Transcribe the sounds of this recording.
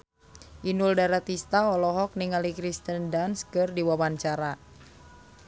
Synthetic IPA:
ʔinuldaɾat̪ist̪aɔlɔɦɔk̚niŋalikɾist̪əndanskɨrdiwawaɲt͡ʃaɾa

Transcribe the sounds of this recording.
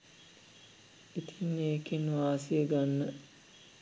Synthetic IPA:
it̪ʰinːeːkenʋaːsieɡanːə

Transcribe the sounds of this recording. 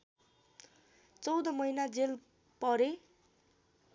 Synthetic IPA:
t͡sʌwd̪ʌmʌjnad͡zel | pʌɾe

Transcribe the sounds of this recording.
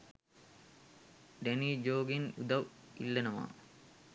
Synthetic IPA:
ɖeniːd͡ʒoːɡinṵd̪ɐʋilːɐnɐʋa̰ː

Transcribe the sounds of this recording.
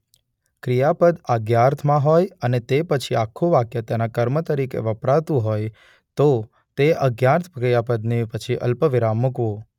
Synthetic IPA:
kɾijapəd̪əɡjaɾt̪ʰmãɦojənet̪epət͡ʃʰiakʰːoʋakjət̪jenakəɾmət̪əɾikḛʋəpɾaʋt̪ũɦoj | t̪o | t̪eəɡjaɾt̪ʰkɾijapəd̪nepət͡ʃʰiʔə̰lpəʋiɾamːʊkʋõ

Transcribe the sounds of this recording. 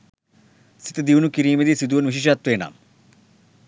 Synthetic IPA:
si̥t̪ɐd̪iʋnukiɾiːmed̪isid̪uʋɐnʋiʃ̬iʃ̬aːt̪ʋeːna̰ːm

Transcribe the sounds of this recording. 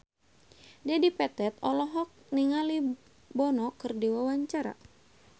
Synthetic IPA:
dɛdipɛt̪ɛt̪ɔlɔɦɔk̚niŋali | bɔnɔkɨrdiwawaɲt͡ʃaɾa̰

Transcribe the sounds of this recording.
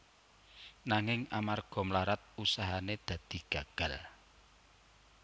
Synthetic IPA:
naŋɪŋamarɡ̥ɔ̤mlaɾat̪̚usaɦaned̪̥ä̤d̪̥i̤ɡ̥a̤ɡ̥ä̤l

